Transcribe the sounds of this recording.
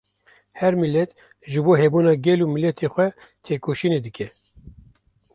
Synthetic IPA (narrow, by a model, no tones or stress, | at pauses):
hɛɾmilːɛt̪ | ʒɨboːɦɛbuːnɑːɡʲɛluːmilɛt̪ʰeːxʷɛ | t̪ʰeːkoːʃiːneːd̪ɨkʰʲɛ